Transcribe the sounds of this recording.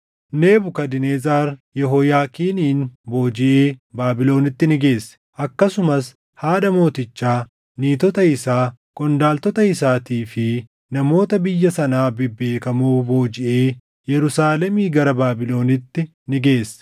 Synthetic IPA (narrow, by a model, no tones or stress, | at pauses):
ne̞ːbʊkɐd̪ɪneːzaːɾjɛɦɔjaːkiːniːnbo̞ːd͡ʒɪʔeːbaːbɪlo̞ːnɪt̪ːɪnɪɡe̞ːsːɛ̥ʔɐkːɐsʊmɐs | haːᶑɐmo̞ːt̪ɪt͡ʃːaː | niːt̪ɔt̪ɐɪsaː | kʼɔnd̪aːlt̪ɔt̪ɐɪsaːt̪iːfɪ | nɐmo̞ːt̪ɐbɪjːɐsɐnaːbɪbːe̞ːkɐmuːbo̞ːd͡ʒɪʔeː | jɛɾʊsaːlɛmiːɡɐɾɐbaːbɪlo̞ːnɪt̪ːɪ | nɪɡe̞ːsːɛ̥